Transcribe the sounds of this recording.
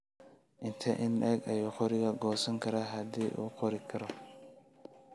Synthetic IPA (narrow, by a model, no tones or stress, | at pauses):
ʔɪnt̪ʰɐʔɪnɛɡɐjɔqɔɾɪɡaɡɔːsɐŋkɐɾaɦad̪iʔṵqɔɾikʰɐɾɔ